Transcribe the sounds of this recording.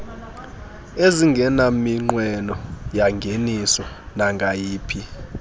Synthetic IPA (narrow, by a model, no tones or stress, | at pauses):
eziŋɡʱɛnamiŋ͡ǃwɛnɔjaŋɡʱenisɔnaŋɡʱajiːpʰi